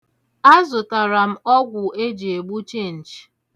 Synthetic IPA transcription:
a˦zʊ˨ta˨ɾa˨m̩˦ɔ˦ɡʷʊ˨ʔe˦d͡ʒe˨e˨ɡ͡bu˦t͡ʃe˦˨n̩˨d͡ʒ

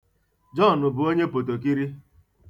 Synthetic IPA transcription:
d͡ʒɔ˦˨nʊ˨bʊ˨o˦ɲe˦po˨to˨k̬i˦ɾi˦

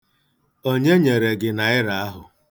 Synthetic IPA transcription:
o˦ɲe˦ɲe˨ɾe˨ɡɪ˨na˨ɪ˦ɾa˨a˦ɦʊ˨

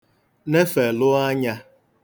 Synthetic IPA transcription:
ne˦fe˨lʊ˦a˦ɲa˦

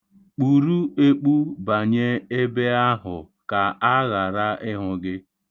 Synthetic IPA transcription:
k͡pu˨ɾu˦e˦k͡pu˦ba˨ɲe˦e˦be˦a˦ɦʊ̰˨ | ka˨ʔa˦ɣa˨ɾa˦ʔɪ˦ɦʊ˨ɡɪ˦

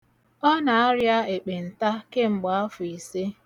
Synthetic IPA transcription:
ɔ˦na˨a˦ɾja˦e˨k͡pe˨n̩˨ta˦ke˦ŋ͡m̩˨ɡ͡ba˨a˦fʊ˨i˨se˦

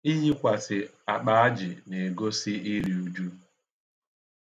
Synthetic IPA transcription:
i˦ɲi˦kʷa˨sɪ˨ | a˨k͡pa˨a˦d͡ʒɪ˨ne˨ɡo˦sɪ˦i˦ɾi˨u˨d͡ʒu˦

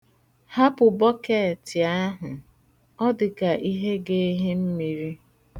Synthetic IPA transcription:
ha˦pʊ˨bɔ˦ke˦˨tɪ˨a˦ɦʊ˨ | ɔ˦dɪ˨ka˨ʔi˦ɦe˦ɡe˦ɦe˦m̩˦mi˨ɾi˦

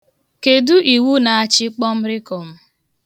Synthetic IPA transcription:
ke˨du˦ʔi˨wu˦na˨a˦t͡ʃɪ˦k͡pɔ˦m̩˦ɾɪ˦kɔ˨m̩˦

